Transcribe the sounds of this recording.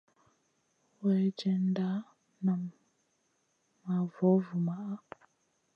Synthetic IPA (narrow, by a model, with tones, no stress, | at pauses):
we˨˦d͡ʒe˦n̩˦da˦ | na˨ | ma˨vɔ˨˦vu˨ma˨ʔa˦